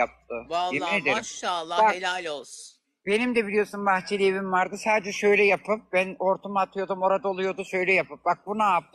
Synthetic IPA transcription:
ap̚t̪ʰɯjeined̪eɾalˠːabakllʲos | b̥e̞nimd̪ɛbilʲijo̞sunmaxt͡ʃʰilʲeβimvaɾd̪ɯsaːd̪ed͡ʒɛʃø̞jlʲɛjapʰɯp̚bæno̞ɾt̪ʰumat̪ʰɯjo̞d̪umo̞ɾad̪aolˠujo̞d̪uʃø̞jlʲɛjapʰɯp̚bak̚bunaap̚t̪

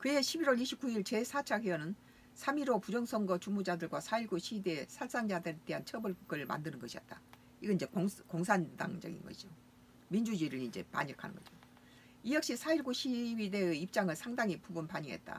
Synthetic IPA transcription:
kɯe̞ɕʰibiɾwʌɭiɕʰip̚k͈uiɭt͡ɕe̞sʰat͡ɕʰaɡiʌnɯn | sʰamiɾopud͡ʑʌŋsʰʌŋɡʌt͡ɕumud͡ʑadɯɭɡwasʰaiɭɡuɕʰide̞sʰaɭs͈aŋd͡ʑadɯɾed̥e̞ɦant͡ɕʰʌbɯɭɡ͈ɯɭma̰ndɯnɯnɡʌɕʰiʌt̚t͈a | iɡʌiɲd͡ʑe̞koŋsʰanda̰ŋd͡ʑʌ̰ɡḭnɡʌ̰ɕʰid͡ʑo | mind͡ʑud͡ʑiɾɯɭind͡ʑe̞̰pa̰ɲʌkʰa̰nɯ̰nŋɡʌd͡ʑo | ijʌk̚ɕ͈isʰaiɭɡuɕʰiwide̞ip̚t͡ɕ͈aŋɯɭsʰaŋdaŋipubunpaɲiŋɦe̞̰t̚t͈a̰

